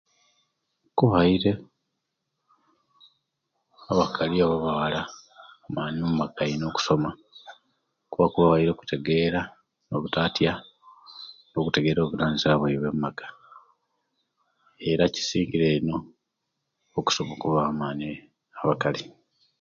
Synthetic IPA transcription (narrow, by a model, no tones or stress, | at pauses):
kuβaiɾe̞ | aβakʰaliaβaβawalaumaːnommaɡaino̞ku̥so̞ma | kuβakuβaβaiɾeku̥teɡe̞ːɾa | no̞βutaːtja | no̞kute̞ɡe̞ːɾo̞ːβulaːnziaβweiβwe̞mmaɡḁ | e̞ɾaci̥siːŋɡiɾe̞ːno̞ | ku̥so̞mokuβaːmaːni | aβakali